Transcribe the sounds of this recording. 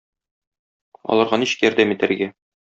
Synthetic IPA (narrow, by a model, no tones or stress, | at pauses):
ɒ̰lˠɑɾʁɑniɕɘ̥kjɒɾd̪æmit̪æɾɡæ